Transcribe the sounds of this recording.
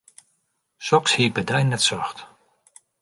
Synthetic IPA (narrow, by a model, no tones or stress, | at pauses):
sɔkshiəbədɛjnːɛtsɔxt